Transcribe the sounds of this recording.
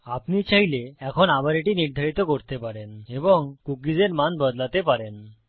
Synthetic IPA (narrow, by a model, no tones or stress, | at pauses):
apnit͡ɕaɦileɛkʰonabaɾeʈiːniɾd̪ʱaɾit̪ɔkɔɾt̪epaɽẽnɦeʋəŋkukid͡zeɾmand̪bəd̪lat̪epaɾen